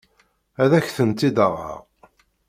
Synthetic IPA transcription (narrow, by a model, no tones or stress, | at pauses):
æðæçθənt̪ːid̪əʁə̰ʁ